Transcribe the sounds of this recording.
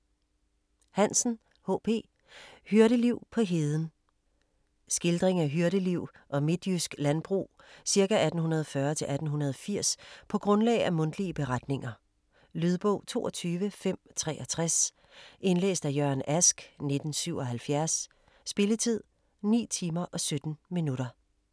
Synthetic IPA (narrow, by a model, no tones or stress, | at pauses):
hæn̰sn̩ | ho̰ːpʰe̝̰ː | hyɐɾəliʊ̰pʰɒ̽ɦe̝ːð̞ˠn̩ | sɡ̥e̝ld̥ʁeŋæɦyɐɾəliʊ̰ | ʔɒ̽me̝d̥jysɡ̥lænb̥ʁṵː | siɐkæʔæd̥n̩ɦunɐð̞ˠfɶːɐt͡sʰe̝lʔæd̥n̩ɦunɐð̞ˠɒfiɐ̰spʰɒ̽ɡ̥ʁɔ̽nlɛ̰ɪʔæmɔ̽n̰d̥liəb̥e̝ʁɑd̥ne̝ŋɐ | lyð̞ˠb̥ɔ̰ʊ̰t͡sʰo̝̰ːʔɒ̽t͡sʰyːʋəfem̰t͡sʰʁɛ̰ːɒ̽t͡sʰʁas | e̝nlḛːsd̥æjɶɐ̰næsɡ̥ne̝d̥n̩syʊ̰ɒ̽ɦælfjæɐsː | b̥e̝lət͡sʰið̞̰ˠ | nḭːt͡sʰiːmɐʔɒ̽sød̥n̩minuɾɐ